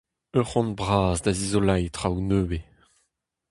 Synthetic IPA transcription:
øʁɔ̃nbʁaːzd̪azizolajtʁawnøːbe

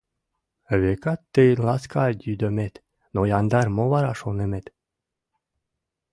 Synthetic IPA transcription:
βekɑt̪ːejlɑskɑd̪yd̪ømet̪ | nojɑnd̪ɑrmoβɑɾɑʃonemet̪

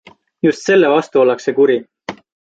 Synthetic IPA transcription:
just̪se̞lːevɑst̪uolːɑkse̞kuɾi

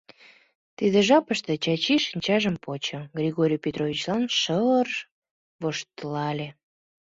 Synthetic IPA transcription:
t̪id̪eʒɑpəʃt̪et͡ɕɑt͡ɕiʃinʲt͡ɕɑʒəmpot͡ɕə̆ɡɾʲiɣoɾʲijpʲet̪rovʲit͡ɕlɑnʃəər | βoʃt̪əlɑlʲe

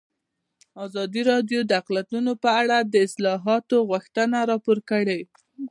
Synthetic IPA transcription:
ɑzɑd̪iɾɑdjod̪əaqlat̪unopəaɽad̪əɪslɑɦɑt̪oɣwuxt̪ənaɾɑpoɾkəɽe

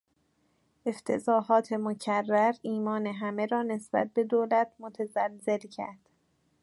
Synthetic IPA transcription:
ʔe̞ft̪ʰe̞̰zɒːɦɒːt̪ʰemocʰærːæɾiːmɒːne̞ɦæme̞ɾɒːne̞sb̥æ̰t̪̚be̞d̪oːlæt̪ʰmot̪ʰæzælze̞lcʰæ̰ɾd̪̥

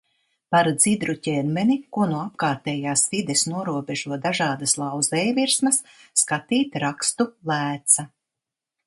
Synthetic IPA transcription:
paɾd̪zid̪ɾucʲɛnmɛnikuɔnuap̚kaːɾt̪ɛːjaːsvid̪ɛsnuɔɾuɔbʲeʒuɔd̪aʒaːd̪aslˠawzɛjviɾsmɐsː | kat̪iːt̪ɾakst̪ulˠæːt̪sa

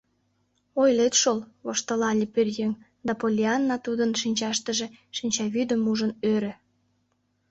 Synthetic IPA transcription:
ojlet̪ʃolβoʃt̪əlɑlʲiperjeŋ | d̪ɑpolʲiɑnːɑt̪ud̪ənʃinʲt͡ɕɑʃt̪əʒeʃinʲt͡ɕɑβyd̪əmuʒənøɾø̆

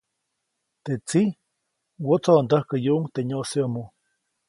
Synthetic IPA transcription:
t̪et͡si | wot͡soand̪əhkəjuʔuŋt̪eɲoseamo

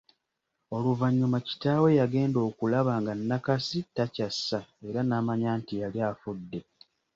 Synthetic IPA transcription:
o̞luvaɲːumaci̥taːwe̞jaɡe̞ːndo̞ːkulaβaːŋɡanːakasitacasːae̞ɾanaːmaɲaːntijaljaːfudːe̞

